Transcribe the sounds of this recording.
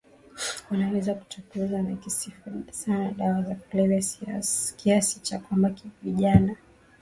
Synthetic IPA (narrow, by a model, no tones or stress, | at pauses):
wanawɛzaku̥tukuzanakisifsanaɗawazakulɛlɛ | kiasi̥t͡ʃakwambakiviʄana